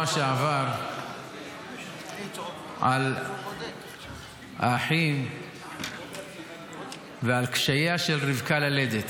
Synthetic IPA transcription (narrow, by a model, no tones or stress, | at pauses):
aʃeʕavaʁ | ʕa̰l | aħim | vealkʃajaʃelʁivkalaled̪et̪